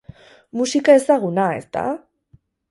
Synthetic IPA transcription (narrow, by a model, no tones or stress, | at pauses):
musikae̞saɣ̞unae̞̰st̪a̰